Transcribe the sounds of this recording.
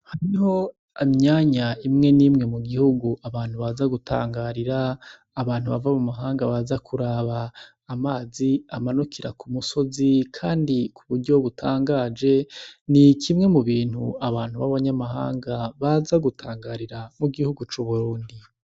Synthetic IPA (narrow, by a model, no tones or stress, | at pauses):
haɾiho̞ | amɲaːɲaimŋe̞niːmŋe̞muɡihuɡuaβaːn̥huβazaɡutʰa̰ːŋɡaɾiɾaː | βaːn̥huβavamumaɦaːŋɡaβazakʰuɾaβaː | maːziamanukiɾakumuso̞zikʰaːndikʰuβuɾɟo̞βutʰaːŋɡaːd͡ʒe̞nikʰimŋe̞muβiːnhṵaβaːn̥huβaβaɲamaha̰ːŋɡaβazaɡutʰaːŋɡaɾiɾamuɡihuɡut͡ʃuβuɾuːndi